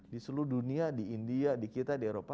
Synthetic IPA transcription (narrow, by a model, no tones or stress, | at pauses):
disuluduniadiindiadikit̪adieɾopa